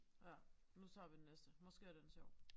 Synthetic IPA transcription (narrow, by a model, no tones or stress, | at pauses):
jæ | nut͡sʰɑ̈ːʋid̥enesd̥əmɔ̽sɡ̥e̝ːɐd̥ensɕɒʊ̰